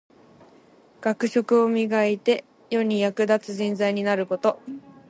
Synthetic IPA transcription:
ɡ̥akɯ̟ɕo̞kɯ̟o̞mʲiɡait̪e̞ | jo̞ɲ̟ijakɯ̟d̪at͡sɨʑĩnd͡zaiɲ̟inaɾɯ̟ko̞t̪o̞

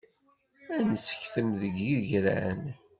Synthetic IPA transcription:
ænəsə̥çθəmðəɡiʝɾæ̰n

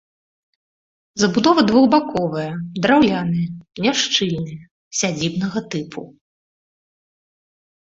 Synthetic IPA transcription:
zɐbud̪ɔvɐd̪vuɣbakɔvɐjɐd̪ɾawlʲanɨjɐnʲaʂt͡ʂɨlʲnɨjɐ | sʲad͡zʲibnɐɣɐt̪ɨpʰṵ

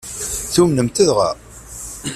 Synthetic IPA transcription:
θumnəmt̪əðʁæ̰

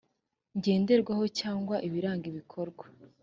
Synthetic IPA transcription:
ɲɟe̞ːnde̞ɾɡwaho̞caːŋɡwaʔiβiɾaːŋɡiβikʰo̞ɾɡwa

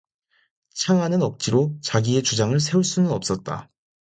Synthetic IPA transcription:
t͡ɕʰaŋɦanɯnʌk̚t͡ɕ͈iɾot͡ɕaɡie̞t͡ɕud͡ʑaŋɯɭsʰe̞uɭs͈unɯnʌp̚s͈ʌt̚t͈a̰

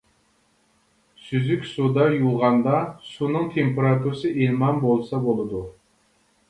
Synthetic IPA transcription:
syzykʲsud̪ɑjuʁɑnd̪ɑsunɨŋt̪ʰempeɾɑt̪ʰuɾɨsɨʔilmɑnbolˠsɑbolˠɨd̪u

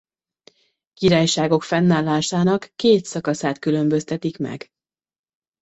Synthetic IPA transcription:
kiɾaːjʃaːɡo̞kfɛnːaːlːaːʃaːnɒkːeːt̪sɒkɒsaːt̪kylø̞mbø̞st̪ɛt̪ikmɛ̰ɡ

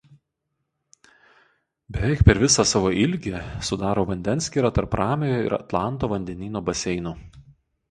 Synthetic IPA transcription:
bʲɛʋʲɛˑɪk̚pʲɛɾʋʲɪsɑːsɑːʋoːʔɪlʲɡʲesʊd̪ɑːɾoːʋɐnʲd̪ʲɛnsʲkʲiːɾɑt̪ɐɾpɾɑːmʲejoɪ̰ɾɐ̰t̪lˠɑˑnˑt̪oːʋɐnʲd̪ʲɛnʲiːnoːbɐsʲɛɪnʊː

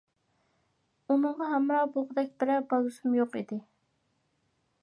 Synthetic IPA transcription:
unɨɴʁɑɦɛmɾɑbolˠʁəd̪ɛk̚ʲbɪɾɛbɑlˠusumjoqḭd̪ɪ

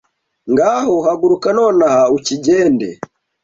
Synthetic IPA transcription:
ŋɡahɔhaɡuɾukanɔnahaut͡ʃid͡ʒɛndɛ̰

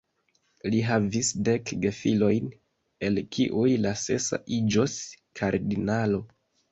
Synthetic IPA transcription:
liɦavisde̞kɡe̞filo̞jn | e̞lkʰiʔujlase̞̰sa̰ʔid͡ʒos | kʰaɾdinalo̞

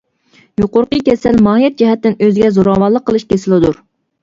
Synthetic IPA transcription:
juqʊɾqəkʲɛsɛlmɑːjɛt̪̚d͡ʒɛɦɛt̪ːɪnøzɪɡʲɛzoɾɑwɑlˠːəqʰːəlˠɨʃkʲʰesɪlɪd̪uɾ

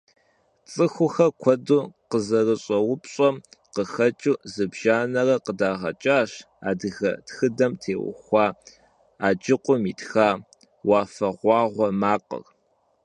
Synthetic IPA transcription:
t͡sʼɨxʷʊxɐkʷʰɔduːqəzɐrɨɕʼɐwʊpɕʼɔqəxɐt͡ʃʼuːzɨbʒaːnɐrɐqədaːʁɐ̰t͡ʃʼaːɕ | a̰ːdɨɣɐ̰txɨdɐmtʰeːwʊ̰xʷɑː | aːd͡ʒɪqʷʼʊmiːtxaː | wɑːfɐʁʷɑːʁʷɔmaːqə̰r

